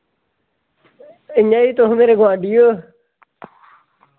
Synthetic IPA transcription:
ɪɲait̪oɦmeːɾeɡãːɖijo

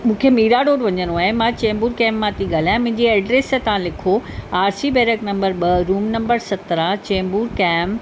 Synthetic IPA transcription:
mũːkʰemiːɾaɖoːɽʋɐɲənoaːɦemãt͡ɕeːmbuːɾkɛ̃ːmːãt̪ʰiɡaːl̤ajãmʊ̃ɦɪ̃ɲd͡ʑiɛːɖɾeːsẽt̪ɐʋ̤ãlɪkʰoaːɾsibɛːɾəknɐ̃mbəɾɓɐɾuːmnɐ̃mbəɾsɐt̪ɾãt͡ɕẽːmbuːɾkɛːm

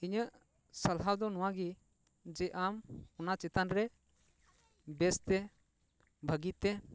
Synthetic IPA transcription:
iɲəʔ | səlɦawd̪ɔnɔ̃wãɡi | d͡ʒɛʔamɔnat͡ʃɛt̪anɾɛ | bɛst̪ɛ | bʱəɡit̪ɛ

